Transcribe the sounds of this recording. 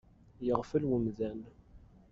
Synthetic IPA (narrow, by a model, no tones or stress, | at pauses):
jəʁfəlwəmðæn